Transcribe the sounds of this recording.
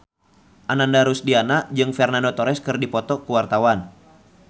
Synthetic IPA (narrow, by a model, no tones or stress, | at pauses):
ʔanandaɾusdianad͡ʒɨŋfɛrnandot̪ɔɾɛskɨrdipɔt̪ɔkuwart̪awan